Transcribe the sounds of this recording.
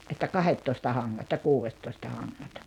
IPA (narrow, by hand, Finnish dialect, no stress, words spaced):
ʔetːæ kɑhetːoistɑ hɑŋːɑt jɑ kuːʋetːoistɑ hɑŋːɑt